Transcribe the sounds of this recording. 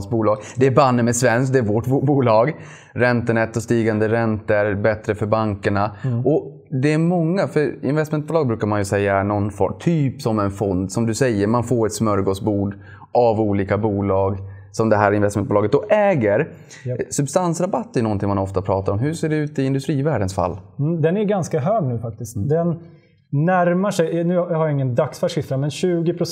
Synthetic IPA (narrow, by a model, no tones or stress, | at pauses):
sbuːlɑːɡd̪ɛæɾbanːəmɛsvɛnsk̚d̪ɛæɾvoʈbbuːlɑːɡ | ɾɛnt̪ənɛt̪ːɔst̪iːɡand̪əɾɛnt̪əɾbɛt̪ɾəfœɾbaŋkəɳaɔ | d̪ɛæmɔŋːafœɾɪ̰nvɛst̪mɛnt̪bʊːlɑːɡ̚bɾʉ̟ːkaɾmanjɵsɛjːanɔnfɔ̰mt̪ʰyːpsɔmɛnfɔnd̪sɔmd̪ɵsɛjːəɾmanfoːɾɛt̪smœɾɡosbuːɖ | ʔavuːliːkabuːlɑːɡ | sɔmd̪ɛɦæːɾɪnvɛst̪mɛnbuːlɑːɡət̪d̪ɔʔɛːɡəɾ | sɵbst̪ansɾabat̪ːɛɾjnɔnt̪ʰɪŋmanɔft̪apʰɾɑːt̪aɾɔmɦʉseːɖɛʉ̟ːt̪ɪɪnd̪ɵst̪ɾiːvæːɖənsfa̰l̩ːd̪ɛnæɾɡanskaɦøːɡnʉ̟ːfak̚t̪ɪst̪d̪ɛnː | æɾmaʂɛjnʉ̟ːhaɾjaɪŋːənd̪aksfæʂɪfɾamɛnɕʉ̟ːɡɪpʰɾʊ